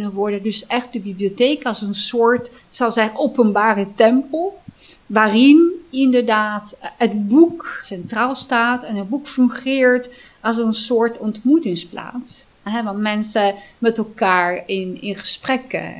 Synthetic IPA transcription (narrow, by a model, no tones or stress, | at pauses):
nəʋɔɹdədɵsɛχt̚dəbibliotejkɑlˠsənsʊːɹt | sɑwzɛowpənbaːrətɛmpəlˠʋaːrɪnɪndəɹdaːtɦətbuksɛntraːlˠstaːtɛnɦəd̚bukfɵŋχɪːɹt | ɑlˠsənsʊːɹtɔntmutɪŋspla̰ːts | ɦɛʋɑntmɛnsəmɛtɛlˠkaːɹɪnɪnχə̥sprɛkə̰